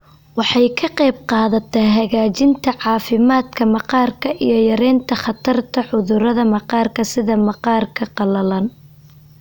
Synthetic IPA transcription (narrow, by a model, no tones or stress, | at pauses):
wɑħɑjkʰɐqɑːb̚qɑːðɐt̪ʰɛɦɐɣaːt͡ʃɪnt̪ʰɐʕɑːfɪmaːd̪kʰɐmɑqɑːrkʰɐʔijɞjɐɾɛːnt̪ʰɐχɑt̪ʰɐrt̪ʰɐʕʊðʊɾɐðɐmɑqɑːrkʰɐsɪðɐmɑqɑːrkʰɐqɑlɐlɐn